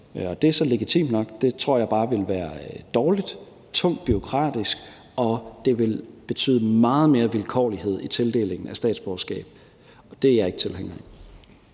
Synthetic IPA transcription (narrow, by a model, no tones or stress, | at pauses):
ɒ̽d̥e̝æsɒ̽le̝ɡ̥it͡sʰḭmnɒ̽ɡ̥d̥e̝t͡sʰʁo̝ɐ̰jɑ̈ɪb̥ɑ̈ːʋe̝lʋæːɐd̥ɒːlid̥ | t͡sʰɔ̽ŋ̰d̥̚b̥yo̝kʰʁɑ̰̈ːd̥isɡ̥ | ʔɒ̽d̥e̝ʋe̝lb̥e̝t͡sʰy̰ːðˠəmɑ̈ːð̞̩ˠme̝ːɐʋilkʰɒ̰ːlihe̝ð̰ˠit͡sʰe̝ld̥e̝̰ːle̝ŋn̩æsd̥ɛ̰ːd̥sb̥ɒsɡ̥ɛ̰ːb̥ | d̥e̝jɑ̈e̝ɡ̥ət͡sʰe̝leŋ̰ɐi